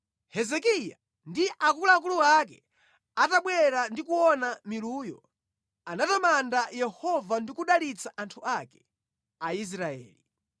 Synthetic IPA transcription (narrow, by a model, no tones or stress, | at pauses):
hɛzɛkija̰ | ndiʔakulaːk̬uluak̬ɛ | ataɓwɛɾandikuwɔnamiluːjɔ̰ | anatamandajɛhɔvandikuɗalit͡saʔantʰuakɛ̥ | ais̬ɾaɛ̰ːli